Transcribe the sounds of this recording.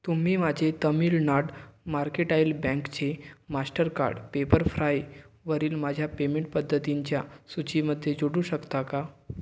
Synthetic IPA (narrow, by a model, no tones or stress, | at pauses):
t̪um̤iːmad͡ʑʱet̪əmiːlnaɽmaɾkeʈajlbɛ̃ŋkt͡ɕemasʈəɾka̰ɾɖpepəɾfɾajʋəɾiːlmad͡ʑʱjapemẽɳʈ̚pəd̪ʱːət̪iɲt͡ɕjasut͡ɕiməd̪ʱːjed͡ʑoɽuːɕəkt̪aka